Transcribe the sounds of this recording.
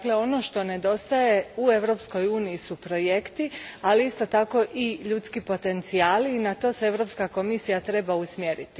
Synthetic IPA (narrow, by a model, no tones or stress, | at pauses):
akle̞o̞no̞ʃt̪o̞ne̞d̪o̞st̪aje̞ue̞ʋɾo̞ːpsko̞juːnijisupɾo̞je̞kt̪ialiist̪o̞t̪ako̞ʔiʎut̪skipo̞t̪e̞nt̪siaːliːnat̪o̞see̞ʋɾo̞pskako̞misijat̪ɾe̞bausmjeɾit̪i̥